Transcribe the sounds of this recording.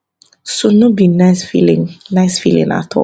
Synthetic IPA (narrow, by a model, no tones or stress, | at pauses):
sunubinasfḭlĩŋnaɪsfḭlḭ̃ŋa̰t̪ʰɔ̰